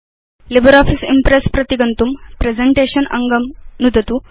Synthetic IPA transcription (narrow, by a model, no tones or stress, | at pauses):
libəɾɔfʰisḭmpɾespɾɐt̪iɡɐnt̪umpɾed͡zeɳʈeːɕɐnɐ̰ŋɡɐmnud̪ʱɐt̪u